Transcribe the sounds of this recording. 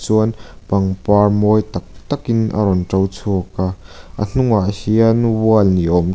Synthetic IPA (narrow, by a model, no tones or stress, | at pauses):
t͡suɐn | pɐŋparmɔjt̪ɐk̚t̪ɐkinʔə̰ɾɔnʈ͡ʂɐwt͡sʰukaʔə̰n̥uŋaʔəhiɐnwuɐlniʔɔm